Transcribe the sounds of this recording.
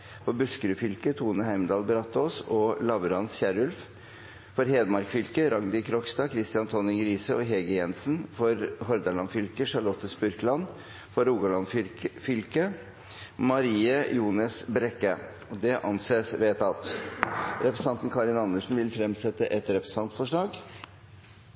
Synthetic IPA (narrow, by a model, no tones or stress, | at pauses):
fɔbʉskəɾʉfʏlkət̪ʰuːnəhæɪmd̪ɑːlbəɾɑt̪ːoːsɔlɑʋəɾɑnsçæɾʉlf | fɔɾheːd̪mɑɾkfʏlkəɾɑŋd̪ɪkʰɾɔkst̪ɑːkʰɾɪst̪ɪɑnt̪ʰɔnɪŋɾiːsəɔɦeːɡəjɛnsn̩fɔɾɦɔɾd̪ɑɭɑnfʏlkəʂɑɾɭɔt̪ːəspʉɾklɑn | fɔɾuːɡɑlɑnffʏlkə | mɑɾiːəjuːnəsbɾɛkːə | ɔd̪ɛʔɑnseːsʋeːt̪ʰɑt̪ | ɾɛpɾɛsɑnt̪nkʰɑɾɪnɑnːəʂn̩ʋɪlfɾɛmsɛt̪ːəʔɛt̪ɾɛpɾə̥sɑnt̪fɔʂɭɑːɡ